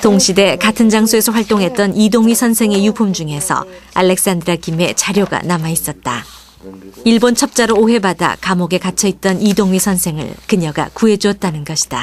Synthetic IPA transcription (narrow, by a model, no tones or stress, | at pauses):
toŋɕʰide̞katʰɯnd͡ʑaŋsʰoe̞sʰʌɸwaɭt͈oŋɦe̞t̚t͈ʌnidoŋɥisʰʌnsʰe̞ŋe̞jupʰumd͡ʑuŋe̞sʰʌ̰alːe̞k̚s͈andɯɾakime̞t͡ɕaɾjoɡa̰namais͈ʌt̚t͈a | iɭbont͡ɕʰʌp̚t͡ɕ͈aɾoːɦe̞bada̰kamoɡe̞kat͡ɕʰʌit̚t͈ʌnidoŋɥisʰʌnsʰe̞ŋɯ̰ɭkɯɲʌɡa̰kue̞d͡ʑuʌt̚t͈anɯnɡʌɕʰi̥d̥a